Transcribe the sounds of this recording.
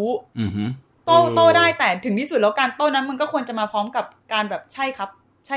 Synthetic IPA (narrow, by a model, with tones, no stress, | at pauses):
t̪oː˥˩t̪oː˥˩daː˥˩jt̪ɛː˨˩t̪ʰɯ˩˦ŋt̪ʰiː˥˩su˨˩t̪̚lɛː˦˥wkaː˧nt̪oː˥˩na˦˥nma˧nkɔː˥˩ku˧ənt͡ɕa˨˩maː˧pʰɾɔː˦˥mka˨˩p̚kaː˧nbɛː˨˩p̚t͡ɕʰa˥˩jkʰa˦˥p̚ | t͡ɕʰa˥˩